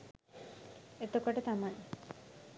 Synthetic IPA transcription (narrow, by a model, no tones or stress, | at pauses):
et̪okoʈət̪amaj